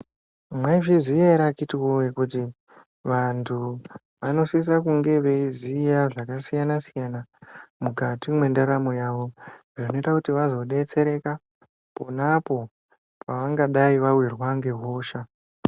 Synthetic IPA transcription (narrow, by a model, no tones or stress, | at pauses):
mwaʐizijaiɾakitiwowekuti | ʋantʰu | ʋano̞sisakuŋɡe̞ʋe̞izijaʐakasijanasijanamukatimwe̞ndaɾamojaːʋo̞ʐono̞itakutiʋazo̞ɗe̞t͡se̞ɾe̞ka | ponapo̞ | paʋaŋɡaɗaiʋawirwaŋɡe̞ɦo̞ːʃa